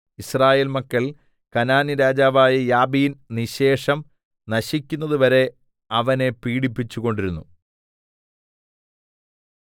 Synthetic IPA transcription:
israːjeːlmɐkːɐɭ | kɐnaːniɾaːd͡ʑaːʋaːjɐjaːbinniɕe̞ːʂɐm | nɐɕikʲːunːɐðɨʋɐɾe̞ | ɐʋɐne̞piːɽipːit͡ɕːuɣo̞ɳɖiɾunːu

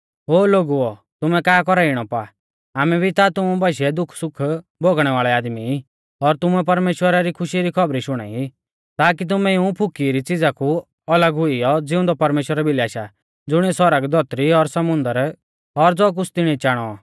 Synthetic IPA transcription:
ɦoːloːɡuɔ | t̪ʊmɛkaːkɔɾaiɽ̃ɔpa | aːmɛbʱit̪at̪ʊmubaʃɛd̪ʊkʰsʊkʰbʱoɡɽ̃ɛʋaːɭɛaːd̪mi | ɔɾt̪ʊmuɛp̬ɐɾmeːʃwəɾaɾikʰʊʃiɾikʰɔbɾiʃʊɽ̃a̰ːi | t̪aːkit̪̬ʊmɛiũpʰʊkiɾit͡sɪd͡zaku | ɐləɡɦʊiɔd͡zɪʊ̃nd̪ɔpɐɾmeːʃwəɾabʱɪliaːʃa | d͡zʊɽ̃iɛsɔɾəɡd̪ʱɔt̪ɾiɔɾsɐmʊ̃nd̪əɾ | ɔɾd͡zɔk̬ʊt͡sʰt̪ɪɽ̃it͡ʃaːɽ̃ɔ

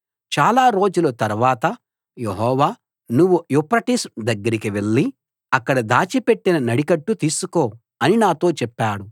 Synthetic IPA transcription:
t͡ʃaːlaːɾo̞ːd͡ʒulot̪ɐɾʋaːt̪ɐ | jeɦɔːʋaː | nuʋːujupɾɐʈisd̪ɐɡːɐɾikiʋe̞ɭːi | ɐkːɐɽɐd̪aːt͡ʃipe̞ʈːinɐnɐɽikɐʈːut̪iːsuko̞ː | ɐninaːt̪o̞ːt͡ʃɛpːaːɽu

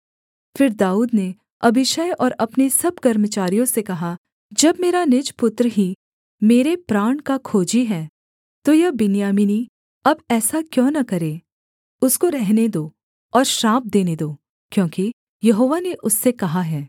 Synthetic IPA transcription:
fɪɾd̪aːuːd̪ne | ɐbɪʃəjɔːɾɐpnesɐb̚kɐɾmət͡ʃaːɾijõsekɐɦa | d͡ʒɐbmeːɾanɪd͡ʒpʊt̪ɾəɦi | meːɾepɾaːɳ̃kakʰoːd͡ʒiɦɛː | t̪ojɐɦbɪnjaːmɪni | ɐbɛːsakjõːnɐkɐɾeː | ʊskoɾɛɦned̪oː | ɔːɾʃɾãːp̚d̪eːned̪oː | kjõːki | jɐɦoːʋaneʔʊsːekɐɦaɦɛː

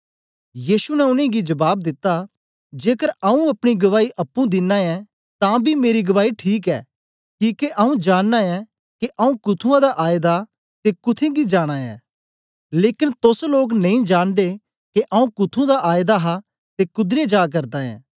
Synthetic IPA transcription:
jiːʃunɛʊnẽɡid͡ʒɐbaːb̚d̪ɪt̪ːa | d͡ʒeːkəɾɐũɐpɽ̃iɡɐʋaːiʔɐpːũd̪ɪnːãɛ̃ | t̪ãbʱimeːɾiɡɐʋaːiʈʰiːk̬ɛ̰ː | kiːkeʔɐũd͡ʒaːɽːãɛ̃ | keʔɐũkʊt̪ʰũãd̪aʔaːɪd̪a | t̪ekʊt̪ʰẽɡid͡ʒaːɽ̃ãɛ̰̃ː | leːkɪnt̪osloːknɐ̃ĩd͡ʒaːnd̪e | keʔɐũkʊt̪ʰũd̪aʔaːjd̪aɦa | t̪ekʊd̪ɾed͡ʒaːk̬ɐɾd̪aɛ̰̃ː

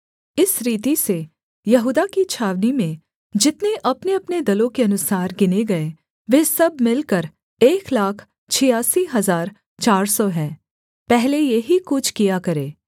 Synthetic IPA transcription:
ɪsɾiːt̪ise | jɐɦuːd̪akit͡ʃʰaːʋnimẽ | d͡ʒɪt̪neʔɐpneɐpned̪ɐlõkeɐnʊsaːɾɡɪneɡɐe | ʋeːsɐbmɪlkɐɾ | eːklaːkʰ | t͡ʃʰɪjaːsiɦɐzaːɾ | t͡ʃaːɾsɔɦɛ̃ː | pɛɦlejeɦikʊt͡ʃʰkijakɐɾeː

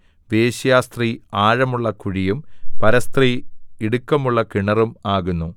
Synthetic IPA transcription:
ʋeːɕjaːst̪riaːɻɐmuɭːɐkuɻijumpɐɾɐst̪riiɽukːɐmuɭːɐkiɳɐrumaːɣunːu

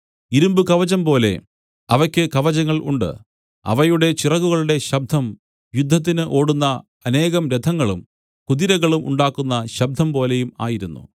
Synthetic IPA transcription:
iɾumbɨkɐʋɐd͡ʑɐmpo̞ːle̞̰ | ɐʋɐkʲːɨkɐʋɐd͡ʑɐŋːɐɭʔṵɳɖɨ̰ | ɐ̰ʋɐjuɽe̞t͡ɕirɐɣuɣɐɭuɽe̞ɕɐb̚d̪ʱɐm | jud̪ʱːɐt̪̬ːinɨʔo̞ːɽunːɐ | ɐne̞ːɣɐmɾed̪ʱɐŋːɐɭṵm | kuðiɾɐɣɐɭumʔṵɳɖaːkːunːɐɕɐb̚d̪ʱɐmpo̞ːle̞juma̰ːjiɾunːṵ

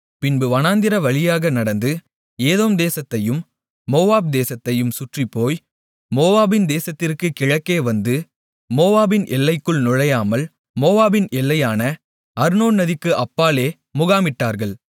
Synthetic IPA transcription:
pɪnbɯʋɐnaːnd̪ɪɾɐʋɐɭɪjaːɣɐnɐɽɐnd̪ɯ | eːðoːmd̪eːsɐt̪ːɐjɯmː | oːʋaːb̚d̪eːsɐt̪ːɐjɯmsʊʈripːoːj | moːʋaːbɪnd̪eːsɐt̪ːɪrkɯkɪɻɐkːeːʋɐnd̪ɯ | moːʋaːbɪnʔɛlːɐɪkːɯɭnʊɻɐjaːmɐl | moːʋaːbɪnʔɛlːɐjaːnɐ | ɐɾnoːnnɐðɪkːɯʔɐpːaːleː | mʊɣaːmɪʈːaːɾɣɐɭ

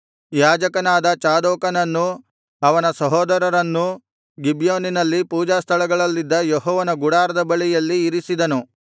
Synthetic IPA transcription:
jaːd͡ʒɐkɐnaːd̪ɐt͡ʃaːd̪oːkɐnɐnːu | ɐʋɐnɐsɐɦɔːd̪ɐɾɐɾɐnːu | ɡibjoːninɐlːipuːd͡ʒaːst̪ʰɐɭɐɡɐɭɐlːid̪ːɐjɔɦɔːʋɐnɐɡuɽaːɾɐd̪ɐbɐɭijɐlːiːɾisid̪ɐnu

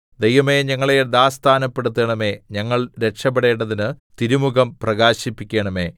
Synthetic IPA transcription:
d̪ejʋɐme̞ːɲɐŋːɐɭed̪aːst̪ʰaːnɐpːe̞ɽut̪ːɐɳɐme̞ːɲɐŋːɐɭɾe̞kʂɐp̬ːeɽe̞ːɳɖɐðinɨt̪iɾumuɣɐmprɐɡaːɕipːikʲːeːɳɐme̞̰ː

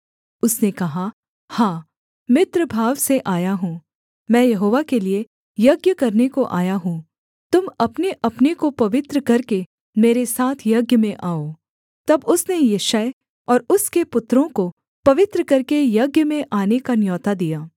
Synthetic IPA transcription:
ʊsnekɐɦa | hãː | mɪt̪ɾəbʱaːʋseʔaːjaɦũː | mɛ̃ːjɐɦoːʋakelie | jɐɡjəkɐɾnekoʔa̰ːjaɦũː | t̪ʊmɐpneʔɐpnekopɐʋɪt̪ɾəkɐɾke | meːɾesaːt̪ʰjɐɡjəmẽʔaːoː | t̪ɐbʊsnejeːʃaːe | ɔːɾʊskepʊt̪ɾõko | pɐʋɪt̪ɾəkɐɾkejɐɡjəmẽʔaːnekanjɔːt̪ad̪ijaː

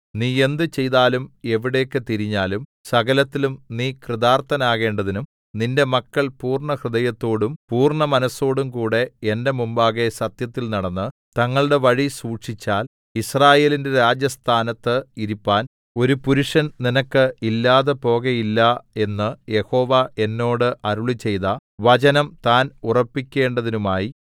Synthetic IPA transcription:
niːe̞nd̪ɨt͡ɕe̞jðaːlume̞ʋiɽe̞ːkːɨt̪iɾiɲːaːlum | sɐɣɐlɐt̪ːilumniːkrɨðaːrt̪ɐnaːɣe̞ːɳɖɐðinum | ninde̞mɐkːɐɭpuːrɳɐhrɨðɐjɐt̪ːo̞ːɽumpuːrɳɐmɐnɐsːo̞ːɽumkuːɽe̞ende̞mumbaːɣesɐt̪jɐt̪ːilnɐɽɐnːɨ | t̪ɐŋːɐɭɨɽe̞ʋɐɻisuːʈʂit͡ɕːaːl | israːje̞ːlinde̞ɾaːd͡ʑjɐst̪ʰaːnɐt̪ːɨiɾipːaːn | o̞ɾupuɾuʂɐnninɐkːɨilːaːðepo̞ːɣejilːɐe̞nːɨje̞ho̞ːʋaʔe̞nːo̞ːɽɨʔɐɾuɭit͡ɕːe̞jðɐʋɐt͡ɕɐnɐmt̪aːnurɐpːikʲːe̞ːɳɖɐðinumaːji

